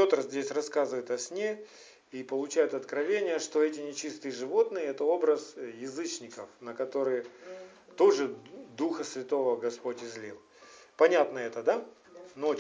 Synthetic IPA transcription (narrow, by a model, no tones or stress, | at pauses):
pʲo̞t̪ɾəzʲdʲesʲrɐskazɨvəjɪt̪ɐsʲnʲe | ipəlˠʊt͡ɕæjʊt̪ɐt̪kɾɐvʲenʲɪjəʂt̪o̞ɛtʲɪnʲɪt͡ɕist̪ɨjəʐɨvo̞t̪nɨjəɛt̪əo̞bɾəsjɪzɨt͡ɕnʲɪkəfnəkɐt̪o̞ɾɨjə | t̪o̞ʐɨd̪uxəsvʲɪt̪o̞vəɡɐspo̞tʲɪzʲlʲilˠ | pɐnʲat̪nəɛt̪əd̪ano